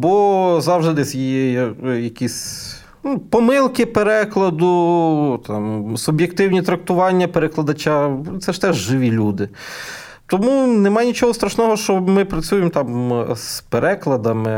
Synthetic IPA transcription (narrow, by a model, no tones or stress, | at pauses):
bɔzɑwʒd̪ɪd̪ɛsʲjijɛjɐkʲisʲ | nupɔmɪlˠkɪpeɾɛklˠɐd̪ʊt̪ɑmsʊbjekt̪ɪwnʲit̪ɾɐk̚t̪ʊʋɑnʲːɐpeɾeklˠɐd̪ɐt͡ʃɑt̪sɛʃt̪ɛʒʒɪʋʲilʲud̪ɪ | t̪ɔmunɛmɑjnʲit͡ʃɔɦɔst̪ɾɐʃnɔɦɔʃt͡ʃɔmɪpɾɐt͡sʲujemt̪ɑmspeɾʔɛklˠɐd̪ɐmɪ